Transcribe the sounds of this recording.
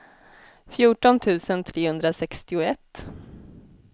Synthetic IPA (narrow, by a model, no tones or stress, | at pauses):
fjuːʈɔnt̪ʰʉ̟ːsənt̪ʰɾeːhɵnd̪ɾasɛkst̪ɪʊɛt̪ː